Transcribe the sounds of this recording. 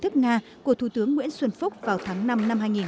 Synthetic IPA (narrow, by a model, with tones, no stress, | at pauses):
t̪ʰɨ˦˥k̚ŋaː˧kku˧˩ət̪ʰu˧˩t̪ɨ˨˦əŋːwḭ˧˥ənswə˧nfʊ˦˥k͡p̚vaː˨˩wt̪ʰaː˨˦ŋna˧mna˧mɦaː˧jŋi˨˩n